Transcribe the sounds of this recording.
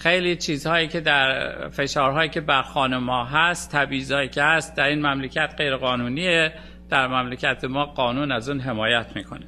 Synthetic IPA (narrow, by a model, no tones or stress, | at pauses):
xejlit͡ʃʰiːzhɒːjiːcʰe̞d̪æɾfe̞ʃɒːɾɦɒːjiːcʰebæɾxɒːnumɒːɦæst̪ʰːæbiːzɒːjiːcʰehæst̪̚d̪æɾiːnmæmlecʰæt̪ɢe̞jɾeɣɒːnuːniːe | d̪̥æɾmæmlecʲʰæt̪ʰemɒːɢɒːnuːnæzuːnɦe̞mɒːjæt̪ʰmiːkʰone